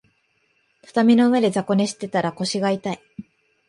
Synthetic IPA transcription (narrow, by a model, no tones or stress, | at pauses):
t̪ʰḁt̪amʲino̞ɯ̟e̞d̪e̞zako̞ne̞ɕi̥t̪ːe̞t̪aɾako̞ɕiɡait̪ai